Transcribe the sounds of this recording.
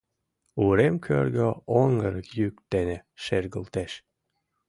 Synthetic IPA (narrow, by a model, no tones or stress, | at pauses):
uɾemkʰø̰ɾɡøoŋɡəɾəkjyk̚t̪enĕʃerɣə̆lt̪eʃ